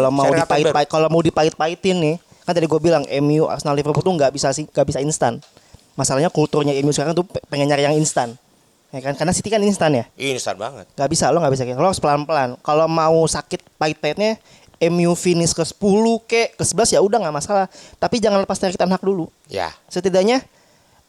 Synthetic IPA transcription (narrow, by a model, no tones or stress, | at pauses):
klomaudipaɪtpakalomaudipaɪt̪̚pait̪ɪnːɪh | kant̪adiɡuabilaŋɛmiuʔa̰snalifərbut̪uŋɡaʔbisasɪŋɡaʔbisainst̪a̰n | masalahɲakult̪urɲaɛmiusəkaɾaŋt̪upəŋəɲarjaŋinst̪an | akankarnasit̪ikaninst̪anjainst̪a̰nba̰ŋə̰t̪̚ŋɡaʔbisaloŋɡaʔbis̬akakaloaspəlanpəlankalomausakɪt̪̚paɪt̪̚paɪt̪̚ɲa | ɛmiufinɪskəsə̥pulukaʔkəsəbəlasjaudaŋamasalaht̪apid͡ʒaŋanləpast̪akit̪anɦak̚dulu | ja̰sət̪idaɲa